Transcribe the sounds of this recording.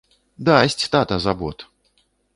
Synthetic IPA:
d̪asʲt͡sʲt̪at̪ɐzabɔt̪

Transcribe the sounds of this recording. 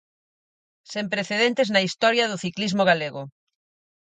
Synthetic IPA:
sempɾeθeðent̪eznɐist̪ɔɾjaðoθiklizmoɣaleɣo

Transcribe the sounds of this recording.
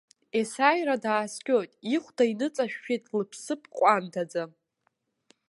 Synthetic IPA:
esajradaːskʲʼojtʼiχʷdainɨt͡sʼaʃᶣːitʼlɨpʰsɨpʰqʷʼantʰad͡za

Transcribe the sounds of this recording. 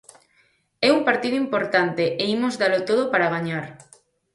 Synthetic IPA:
ɛumpaɾt̪iðoimpoɾt̪ant̪eʔeimozðalot̪oð̞opaɾaɣaɲaɾ

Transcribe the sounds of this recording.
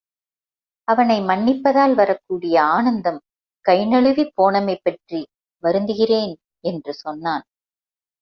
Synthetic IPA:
ɐʋɐnɐɪmɐɳːɪpːɐðaːlʋɐɾɐkːuːɽɪjɐaːnɐnd̪ɐm | kɐɪnɐɭɯʋipːoːɳɐmɐɪpːɐʈri | ʋɐɾɯnd̪ɯɣɪreːn | ɛndrɯsɔnːaːn

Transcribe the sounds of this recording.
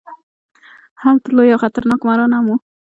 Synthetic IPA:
halt̪əlojawxat̪aɾnɑkmaɾɑnamu

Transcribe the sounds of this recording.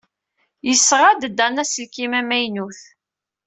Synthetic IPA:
jəsːʁad̪d̪ænæsəlkimæmæjnuθ

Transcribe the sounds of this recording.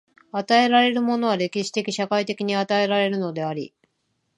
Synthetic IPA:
at̪ae̞ɾaɾe̞ɾɯ̟mo̞no̞β̞aɾe̞kʲiɕi̥t̪e̞kʲiɕakait̪e̞kʲiɲ̟iat̪ae̞ɾaɾe̞ɾɯ̟no̞d̪e̞aɾʲḭ

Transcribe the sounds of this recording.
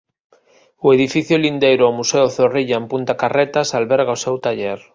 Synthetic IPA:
ʊeðifiθjʊlind̪ejɾʊawmuseʊθoriʎaempunt̪akaret̪asalβɛɾɣaosewt̪aʎeɾ

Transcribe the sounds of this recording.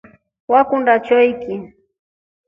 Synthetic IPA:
wakʊnɾat͡ʃʊjkɪ

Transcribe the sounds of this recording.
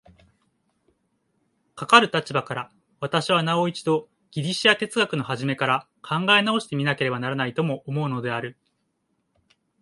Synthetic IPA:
kakaɾɯ̟t̪at͡ɕibakaɾa | β̞at̪aɕiβ̞anao̞it͡ɕid̪o̞ | ɡ̥ʲiɾʲiɕiat̪e̞t͡sɨɡakɯ̟no̞ɦaʑime̞kaɾa | kʰãŋɡae̞nao̞ɕi̥t̪e̞mʲinake̞ɾe̞banaɾanait̪o̞mo̞ʔːmo̞ɯ̟no̞d̪e̞aɾɯ̟

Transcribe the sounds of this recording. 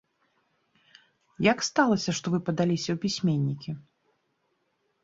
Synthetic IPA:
jakst̪alˠɐsʲɐʂt̪ɔvɨpɐd̪alʲisʲɐwpʲisʲmʲenʲːikʲi

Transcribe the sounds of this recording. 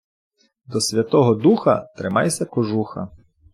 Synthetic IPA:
d̪ɔsʲʋʲɐt̪ɔɦɔd̪uxɐ̰t̪ɾɪmɑjsʲɐkɔʒuxɐ̰

